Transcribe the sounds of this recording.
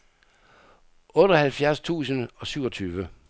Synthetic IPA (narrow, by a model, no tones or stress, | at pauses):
ʔɔ̽ːɾ̥ɒhælfjæɐst͡sʰṵːsənɒ̽syʊ̰ɒ̽t͡sʰyːʋə